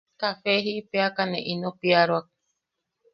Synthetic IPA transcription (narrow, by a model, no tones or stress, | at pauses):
kafeɦiipeakanẽʔinõpiaɾoak̚